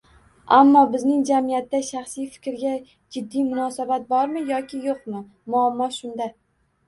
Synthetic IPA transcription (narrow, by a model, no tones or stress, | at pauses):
amːɒbɪznɪŋd͡ʒamijat̪ːaʃaχsɪjfɪ̥kʲɾɡʲa | d͡ʒɪd̪ːijmʊnɒsabat̪̚bɒɾmɪjɒkʲʰɪjoqmɪ | mʊamːɒʃʊnd̪a